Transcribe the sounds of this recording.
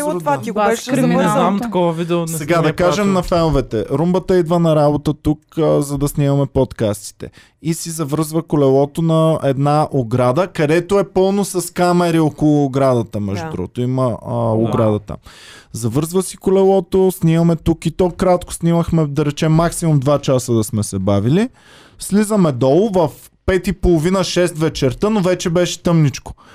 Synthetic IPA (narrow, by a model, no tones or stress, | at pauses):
vaiɡɛɾnɛnamt̪ɐkɔvəviɛʊsɛɡad̪ɐkaʒɛmnɐfɛnovɛt̪ɛɾumbət̪əid̪vənɐɾabot̪ət̪ukzɐd̪ɐsnimɐmɛpɔt̪kast̪i̥t̪ɛ̰ | isizɐvəɾzvəkolɛlˠɔt̪onɐɛd̪naʔoɡɾad̪əkɐd̪ɛt̪oɛpɤlˠnosɐskamɛɾiɔkolˠʊːɡɾad̪ət̪əmɛʒd̪ud̪ɾṵɡot̪ʊiməoɡɾad̪ət̪ə̰ | zɐvɤɾzvəsikolɛlˠɔt̪osnʲimɐmɛt̪ukit̪ɔkɾat̪kʊ̥sniməxmɛd̪ɐɾɛt͡ʃɛmːaksimumd̪vat͡ʃasəd̪ɐsmɛsɛbavili | slizəmɛd̪ɔlˠʊvɐf | pɛt̪ipolˠovinəʃɛst̪vɛt͡ʃɛɾt̪ənovɛt͡ʃɛbɛʃɛ̥t̪ɤmnit͡ʃko̥